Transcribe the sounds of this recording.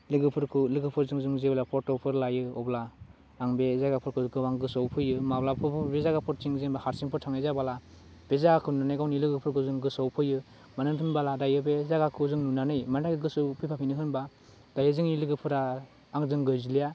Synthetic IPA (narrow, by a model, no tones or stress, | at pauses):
lɯɡɯpʰɯɾkʰɯlɯɡɯpʰɯɾzɯŋzɯŋzeblapʰɔɾtɔpʰɯɾlajɯɔbla | aŋbezaɡapʰɯɾkʰɯkʰɯwaŋɡɯsawpʰɯjɯmablapʰɔɾbezaɡapʰɔɾt͡ʃiŋzenbahaɾsiŋpʰɔɾtʰaŋajzabala | bezaɡakʰɯnunanɯjɡawnilɯɡɯpʰɯɾkʰɯzɯŋɡɯsawpʰɯjɯ | manɯntʰɯnbaladajɯbezaɡakʰɯzɯŋnunanɯjmandakɯɡɯsɯpʰepʰapʰinɯɦɯnba | dajɯzɯŋnilɯɡɯpʰɯɾaː | ŋzɯŋɡɯjzilija